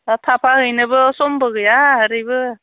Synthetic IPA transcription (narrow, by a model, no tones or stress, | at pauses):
t̪ʰapʰahɯjnɯbɯsɔmbɯɡɯjaɦəɾɯjbɯ